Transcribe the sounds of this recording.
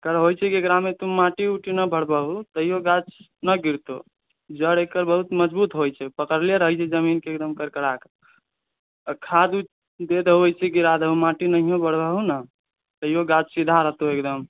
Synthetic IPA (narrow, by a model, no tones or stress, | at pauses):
kəɾɦojt͡ʃʰɛkeɡɾamet̪umãʈiuʈinəbʱəɽbəɦut̪əjjoɡat͡ʃ | nəɡiɾt̪o | d͡ʒəɽekəɾbəɦut̪məd͡ʒbut̪ɦojt͡ʃʰɛpəkəɾlijaɾəɦəjt͡ʃʰɛd͡ʒəminkeːk̚d̪əmkəɾkəɽak | kʰad̪u | d̪ed̪ɦoəjt͡ʃʰiɡiɾad̪əɦumãʈinəɦijõbəɽ̤bəɦunə | t̪əjoɡat͡ʃsid̪ʱaɾəɦt̪oekd̪əm